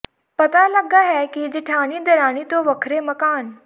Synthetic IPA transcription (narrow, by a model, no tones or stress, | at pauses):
pɐt̪alɐɡaɦɛkid͡ʒɪʈʰaːɽ̃id̪ɐɾaːɽ̃it̪oʋɐkʰɾemɐkaːn